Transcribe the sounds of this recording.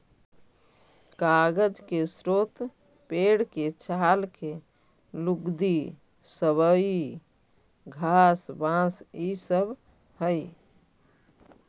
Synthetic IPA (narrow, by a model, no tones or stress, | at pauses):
kaɡəd͡ʒkesɾot̪ | peɽket͡ʃʰalke | lukd̪i | səβəi | ɡʱasbãsisəb | həj